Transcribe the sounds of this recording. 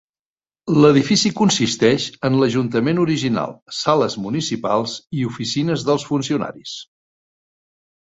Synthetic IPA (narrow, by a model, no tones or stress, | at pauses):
ləðifisikunsist̪ɛʃənləʒunt̪əmenuɾiʒina̰lˠsaləzmunisipalˠziufisinəzðəlˠsfunsiuna̰ɾis